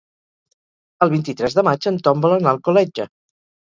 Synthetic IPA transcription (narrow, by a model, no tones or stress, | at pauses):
əlˠβint̪it̪ɾɛzðəmad͡ʒənt̪ɔmbələnalˠkulɛd͡ʒə